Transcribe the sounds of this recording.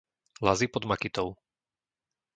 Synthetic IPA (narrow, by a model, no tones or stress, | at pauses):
lazipɔd̪makit̪ɔʊ